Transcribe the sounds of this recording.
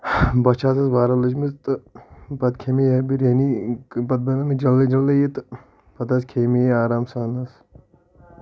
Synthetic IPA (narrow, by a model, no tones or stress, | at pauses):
bɐt͡ʃʰaːsɐsʋaːɾɐlɐd͡ʒmist̪ɨbɐt̪kʰemijɐbiɾeːnibɐd̪̚bɐnɐmid͡ʒɐlːed͡ʒɐlːɐjit̪ɨ | pɐt̪ɐskʰeːmiaːɾaːmsaːnɐs